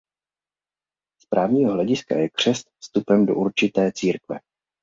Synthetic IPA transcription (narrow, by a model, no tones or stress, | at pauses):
spɾʔaːvɲiːɦoɦlɛɟɪska̰jɛkr̝̥ɛst̪fst̪upɛmdo̞̰ʔuɾt͡ʃɪt̪ɛːt͡siːɾkvɛ̰